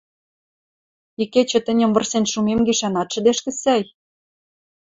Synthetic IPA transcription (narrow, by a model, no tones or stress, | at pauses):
iket͡ɕɘ̆t̪ɘ̆nʲɘ̆mvə̆rsenʃumemɡiʃænɑt̪ʃə̆d̪eʃkɘ̆sæj